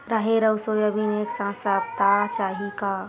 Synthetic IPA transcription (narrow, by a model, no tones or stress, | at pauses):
ɾaɦeɾəusojəbʱineksãsabt̪at͡ʃaɦika